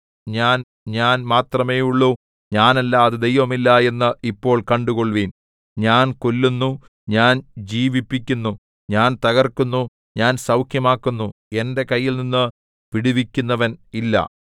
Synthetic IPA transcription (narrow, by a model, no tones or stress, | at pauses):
ɲaːn | ɲaːnmaːt̪rɐme̞ːjuɭːu | ɲaːnɐlːaːðɨd̪e̞jʋɐmilːɐe̞nːɨipːo̞ːɭkɐɳɖuɣo̞ɭʋiːn | ɲaːnkolːunːu | ɲaːnd͡ʑiːʋipːikʲːunːu | ɲaːnt̪ɐɣɐrkunːu | ɲaːnsɐwkʰjɐmaːkːunːue̞nde̞kɐjːilninːɨ | ʋiɽuʋikʲːunːɐʋɐnilːɐ̰